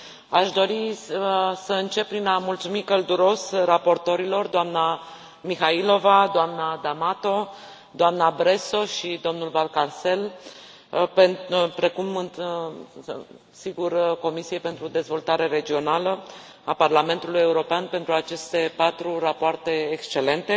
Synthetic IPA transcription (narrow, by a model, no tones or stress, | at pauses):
aʃd̪o̞ɾi | səɨnt͡ʃe̞p̚pːɾinamult̪sumikəld̪uɾo̞srapo̞rt̪o̞ɾilo̞rd̪oamna | mixailo̞vad̪oamnad̪amat̪o̞ | d̪oamnabɾe̞so̞ʃid̪o̞mnulvalkarse̞l | penpɾe̞kumɨn | siɡurko̞misie̞pe̞nt̪ɾud̪e̞zvo̞lt̪aɾe̞ɾe̞d͡ʒio̞nalə | aparlame̞nt̪uluje̞uɾo̞peanpe̞nt̪ɾuat͡ʃe̞st̪e̞pat̪ɾurapoart̪e̞ːkst͡ʃe̞le̞nt̪e̞